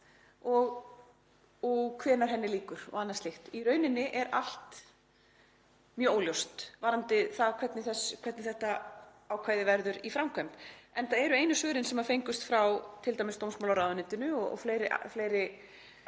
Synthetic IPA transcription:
ɔɣ | ɔɣkʰvɛːnaɾ̥ɦɛnːɪliːkʏɾ̥ɔ̰ɣanːaðslɪxt̪iɾœːɥnɪnːɪʔɛɾal̥t̪ | mjœːoːwljowst̪vaɾant̪ɪθaðkʰvɛt̪nɪθɛskʰv̥ɛt̪nɪθɛht̪a | aːwkʰvaːjðɪvɛɾðʏɾifɾawmkʰœmt̪ɛnθaðɛɾʏejnʏsœːɾɪnsɛmaɾfejŋkʏst̪fɾawt̪ʰɪlt̪ajmɪst̪owmsmawlaɾaːwðʏnɪnt̪ɪnʏɔɔ̰fleːjɾɪa̰fleːjɾɪ

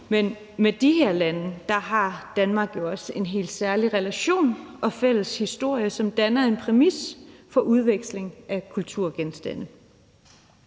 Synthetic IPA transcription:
men | med̥iɦæɐlænəd̥ɑ̈ɦɑ̈d̥ænmɑ̈ːɡ̥jo̝ɒ̽se̝nɦe̝̰ːlsæɐliʁɛlæɕo̝̰ːnɒ̽fel̰əshisd̥o̝ɐ̰jəsɒ̽md̥ænɐe̝npʰʁɛmisfɒ̽ʔuð̞ˠʋeɡ̥sle̝ŋʔækʰult͡sʰuɐ̰ɡ̥ensd̥æn̰ə

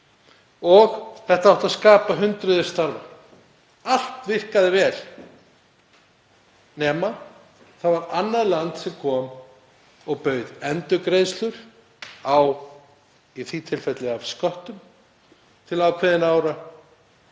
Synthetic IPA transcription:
ɔɣθɛht̪aawht̪aðskaːpaɦʏnt̪ɾʏðɪ̥st̪aɾva̰ | al̥t̪vɪr̥kaðɪvɛːl | nɛːma | θaðvaɾanːaðlant̪sɛmkʰɔːm | ɔɣpœːɥðɛnt̪ʏkɾejðst̪lʏɾ̥ | aw | iθit̪ʰɪlfɛt̪lɛɣaskœht̪ʏm | t̪ʰɪlaːwkʰvɛðɪnaːwɾa

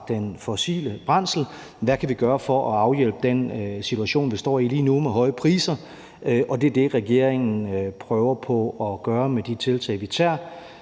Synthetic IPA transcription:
d̥enfɒsḭːləb̥ʁɑn̰sl̩ | ʋækʰæʋiɡ̥ɶːɐfɒ̽ʔɒɑ̈ʊjel̰b̥əd̥ensit͡sʰuæɕo̝̰ːnʋisd̥ɒ̰ːiliːnumeɦɒ̽ɪəpʰʁiːsɐ | ʔɒ̽d̥e̝ɐd̥e̝ʁɛɡ̥e̝ɐ̰eŋn̩pʰʁœːʊɐpʰɒ̽ɒɡ̥ɶːɐmed̥it͡sʰe̝lt͡sʰɛ̰ɪʋit͡sʰæɐ̰

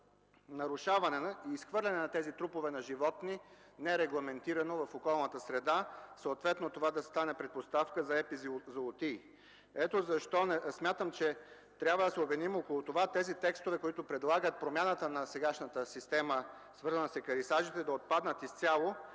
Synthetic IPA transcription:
nɐɾʊʃavɐnɛnɐiːsxvɤɾlʲɐnɛnɐt̪ɛzit̪ɾupovɛnɐʒivɔt̪ninɛɛɾɛɡlˠɐmɛnt̪iɾɐnovɐfokɔlˠnət̪əsɾɛd̪asəot̪vɛt̪not̪ovad̪ɐst̪anɛpɾɛt̪̚post̪afkəzɐɛpizot̪i | ɛt̪ozɐʃt̪ɔnɛsmʲjat̪əmt͡ʃɛ | t̪ɾʲabvəd̪ɐsɛobvɛnimokolˠut̪ovat̪ɛzit̪ɛkst̪ovɛkoit̪ʊpɾɛd̪lˠaɡət̪̚pɾomʲjanət̪ənɐsɛɡaʃnət̪əsist̪ɛmə | svɤɾzənəsɛkɐɾisaʒit̪ɛd̪ɐot̪̚pad̪nət̪ist̪sʲalˠo

